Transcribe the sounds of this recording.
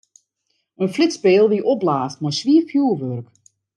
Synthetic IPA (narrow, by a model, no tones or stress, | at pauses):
ənflɪtspɪːlˠʋiʔɔblaːstmɔjsʋiəfjuəʋørk